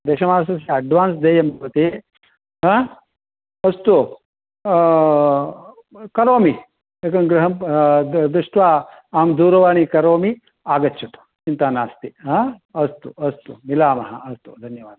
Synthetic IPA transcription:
d̪eːʃɐmaːnsɐsiɐɖʋaːnsd̪eːjɐmbʱɐʋɐt̪eː | ɦãː | ɐst̪u | kɐɾoːmi | ekɐnɡɾɐɦɐm | ʋiʂʈʋaː | aːmd̪uːɾɐʋaːɳikɐɾoːmi | aːɡɐtːʃʰɐt̪u̥ | t͡ʃint̪aːnaːst̪iɦãːɐst̪uɐst̪umilaːmɐɦɐ̆ɐst̪ud̪ʱɐnjɐʋaːd̪

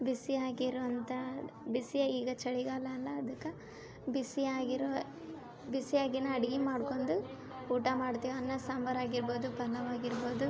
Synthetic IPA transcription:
bisiaːɡiɾʋɐnt̪ʰɐbisijɐiːɡɐt͡ʃɐɭiɡaːlɐːlːɐːd̪ɐkːɐ | bisiaːɡiɾ | bisiaːɡinɐɐɽiɡimaːɽkoɳɖu | uːʈɐmaːɽt̪iːʋiɐnːɐsaːmbɐɾaːɡiɾbo̞ːd̪upɐlɐʋaːɡiɾbo̞ːd̪u

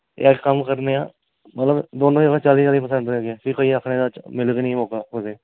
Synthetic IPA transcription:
ḛːʈkəmkəɾneːã̰ː | mət̪ləbd̪oːnõːd͡ʒəɡaːt͡ʃaːliːd͡ʒaːliːpəsə̃ɳɖɾɛːɡɛːpɪkoiːəkʰneːd̪aːmɪləɡnĩːmɔːkaːʊseː

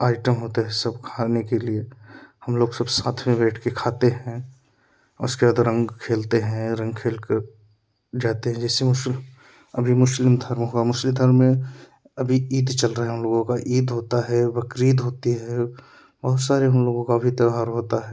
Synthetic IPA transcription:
aːɪʈəmɦoːt̪eɦɛsɐbkʰaːnekeliehɐmloːɡsɐbsaːt̪ʰmẽbɛːʈʰkekʰaːt̪eɦɛ̃ | ʊ̰skeaːd̪ɾɐ̃ŋɡkʰeːlt̪eɦɛ̃ɾɐ̃ŋɡkʰeːlke | d͡ʒaːt̪eɦɛ̃d͡ʒɛːsemʊs | ɐbʱimʊslɪmd̪ʱɐɾmɦoːamʊslɪ̃md̪ʱəɾmːẽ | ɐbʱiiːd̪t͡ʃɐlɾəɦeɦʊmloːɡõkaʔiːd̪ɦoːt̪aɦɛbɐkɾiːd̪ɦoːt̪iɦɛː | bɐɦʊt̪saːɾeɦɐmloːɡõkabʱit̪ɐaɾɦoːt̪aɦɛː

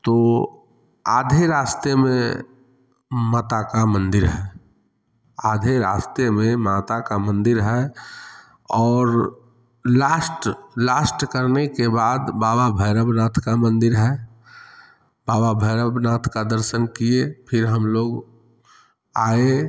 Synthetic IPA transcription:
t̪oː | aːd̪ʱeɾaːst̪emḛ̃ | maːt̪akamə̃nd̪ɪɾɦɛ | aːd̪ʱeɾa̰ːst̪emẽmaːt̪akamə̃nd̪ɪɾɦɛ | ɔːɾ | laːsʈlaːsʈkəɾnekebaːd̪baːbabʱəːɾəbnaːt̪ʰkamə̃nd̪ɪɾɦɛ | baːbabʱəːɾəbnaːt̪ʰkad̪əɾsənkiepʰɪɾɦəmloːɡ | aːe

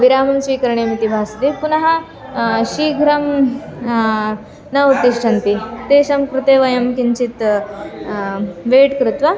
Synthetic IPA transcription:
ʋiɾaːmɐmsʋiːkɐɾɳemit̪ibʱaːst̪ipunɐɦɐ | ɕiːɡʱɾɐm | nɐut̪ːiʂʈʰɐnt̪it̪eːɕɐmkɾut̪eːʋɐjɐmkiɲt͡ɕit̪ | ʋeːʈkɾut̪ʋɐ

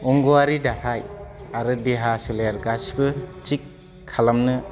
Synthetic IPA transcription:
uŋɡuaɾidaɾʰajaɾɯdeɦasuleɾɡasbɯt͡ʃikʰː | alamnɯ

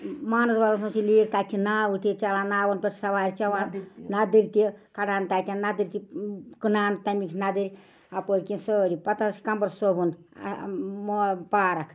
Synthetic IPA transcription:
maːnɐsbɐlɐsunsiliːkt̪at̪ʲʰːinaːwut̪ʲit͡ʃɐlaːnaːwɐnpʲetʰsɐʋaːɾʲt͡ʃɐʋaːnnad̪ɨɾʲt̪ikɐɖaːnt̪at̪ʲannːad̪ɨɾʲt̪ikɨnaːnt̪ɐmikʲʰnad̪ɨɾʲ | apoːɾʲkinsəːɾʲipɐt̪ɐsi̥kɐmbɐɾsobun̰ | mopaːɾɐkʰ

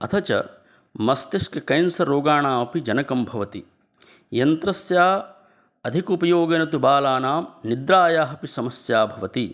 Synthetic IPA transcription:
ɐt̪ʰɐt͡ʃɐ̰ | mɐst̪iʃkɐkɐjnsɐɾoːɡaːɳaːmɐpid͡ʒɐnɐkɐmbʱɐʋɐt̪i | jɐnt̪ɾɐsjaː | ɐd̪ʱikupɐjoːɡɐnɐt̪ubaːlaːnaːmnid̪ɾaːjaːɦɐpisɐmɐsjaːbʱɐʋɐt̪i

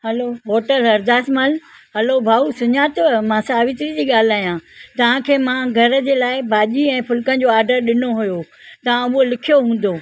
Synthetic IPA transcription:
hɐloɦoːʈəlɦɐɾd̪aːsməl | hɐlobʱaːusʊɲaːt̪mãsaːʋɪt̪ɾid͡ʑiːɠaːl̤aːjãt̪ɐʋ̤ãkʰeːmãɡʱɐɾə̆d͡ʑeːlaːɪbʱaːʄiɛ̃ːpʊlkənɪ̆d͡ʑoːaːɾɖəɾɗɪnoɦujo | t̪ɐʋ̤ãʊɦolɪkʰijoɦũːn̆d̪oː

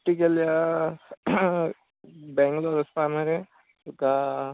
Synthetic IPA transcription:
ʈːikəlja | bɛ̃ːŋɡloːɾɐspaːmɐɾe | ka

